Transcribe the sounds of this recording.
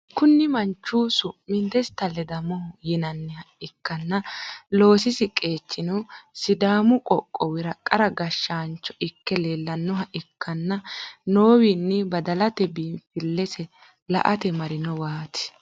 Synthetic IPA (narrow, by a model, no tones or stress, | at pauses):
kʊnːɪmɐnt͡ʃːuːsʊmɪnd̪ɛst̪ɐlɛd̪ɐmɔhjɪnɐnːɛhɐʔɪkːɐnːɐlo̞ːsɪsɪkʼe̞ːt͡ʃːɪnʊsɪd̪aːmʊkʼɔkʼːɔwɪɾɐkʼːɐɾɐɡɐʃːaːnt͡ʃːɔ̥ʔɪkːɛleːlːɐnːɔɦɐʔɪkʰːɐnːɐnoːwɪnːɪbɐd̪ɐlɐt̪ɛbiːfɪlːɛsɛ | lɐ̰ʔɐt̪ɛmɐɾɪnɔwaːt̪ɪ̥